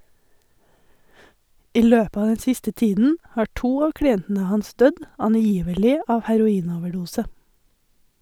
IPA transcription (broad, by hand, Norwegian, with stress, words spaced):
ˈiː ˈløːp ˈɑː ˈdɛn ˈsɪstə ˈtiːdn̩ ˈhɑː ˈʈuː ˈɑː kɽɪˈɛntn̩ə ˈhɑns ˈdœd ɑnˈjiːʋəlɪ ˈɑː hæɾʊˈiːnoːʋəˌɖuːsə